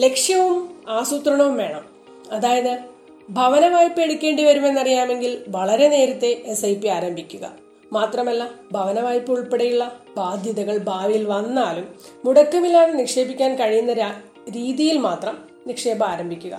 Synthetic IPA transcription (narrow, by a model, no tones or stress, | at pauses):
le̞kʂjɐʋumaːsut̪rɐɳɐʋumʋe̞ːɳɐm | ɐðaːjɐðɨ | bʱɐʋɐnɐʋaːjpːe̞ɽukʲːe̞ːɳɖiʋɐɾume̞nːɐrijaːme̞ŋɡilʋɐɭɐɾe̞ne̞ːɾɐt̪ːe̞esɐjpːiaːɾɐmbʱikʲːuɣɐ̰ | maːt̪rɐmɐlːɐbʱɐʋɐnɐʋaːjpːuɭpeɽɐjuɭːɐbaːd̪ʱjɐðɐɣɐɭbʱaːʋijilʋɐnːaːlumː | uɽɐkːɐʋilaːɳunikʂe̞ːbikʲːaːnkɐɻijunːɐɾ | ɾiːðijilmaːt̪rɐm | nikʂe̞ːbɐaːɾɐmbʱikʲːuɣɐ̰